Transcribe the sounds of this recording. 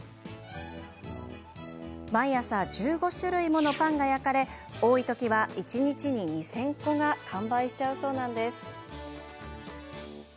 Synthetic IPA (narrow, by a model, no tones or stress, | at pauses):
maiasad͡ʑɨːɡo̞ɕɨɾɯ̟imo̞no̞pãŋɡajakaɾe̞ | o̞ːit̪o̞kʲiβaʔit͡ɕiɲ̟it͡ɕiɲ̟iɲ̟isẽ̞ŋko̞ɡakʰãmbaiɕi̥t͡ɕaɯ̟so̞ːnãnd̪e̞sɨ̥